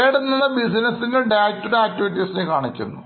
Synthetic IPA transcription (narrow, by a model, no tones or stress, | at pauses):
eːɽunːɐðɐbisinɐsineɖaːtːuɾeaːk̚tːiʋiʈːisinekaːɳit͡ɕːɐ̰nːu